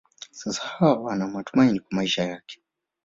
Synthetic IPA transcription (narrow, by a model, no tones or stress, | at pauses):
sasḁhawawanamatumainikwamaiʃajakɛ̥